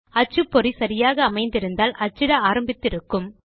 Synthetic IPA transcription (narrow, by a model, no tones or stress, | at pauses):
ɐt͡ʃːɯpːɔɾisɐɾɪjaːɣɐːmɐɪnd̪ɪɾɯnd̪aːlʔɐt͡ʃːɪɽɐaːɾɐmbɪt̪ːɪɾɯkːɯm